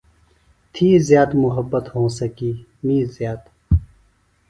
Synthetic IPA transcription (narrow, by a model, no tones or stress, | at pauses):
t̪ʰiːzjaːd̪mʊɦəbːət̪hõːsɐkiːmiːzjaːt̪